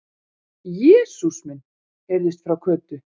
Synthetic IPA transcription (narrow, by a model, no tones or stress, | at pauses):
jɛːsusmɛnː | ɛɾðɪst̪fɾawkʰœːt̪ʏ